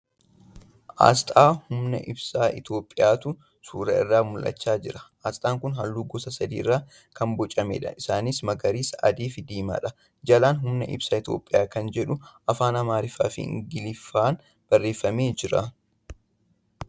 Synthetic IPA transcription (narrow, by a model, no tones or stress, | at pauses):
ʔa̰ːst̪ʼaːhʊmnɐ̰ʔɪ̰bsaːɪ̰t̪jo̞ːpʼːɪjaːt̪ʊ | suːɾɐ̰ɪ̰rːaːmʊlʔɐ̰t͡ʃːaːd͡ʒɪɾɐ̥ʔaːst̪ʼaːŋkʊnɦɐlːuːɡɔsɐsɐd̪iːɪrːaː | kɐmbɔt͡ʃʼːɐmḛːᶑɐ̰ʔɪsaːnismɐɡɐɾiːsɐ̰d̪iːfɪd̪iːma̰ːᶑɐ | d͡ʒɐlaːnɦʊmnɐʔɪ̰bsaːɪt̪jo̞̰ːpʼːɪjaːkɐnd͡ʒɛᶑʊʔɐfaːnɐmaːɾɪfa̰ːfɪ̰ɪ̰ŋɡɪlɪfːaːn | b̥ɐrːeːfːɐmeːd͡ʒɪɾɐ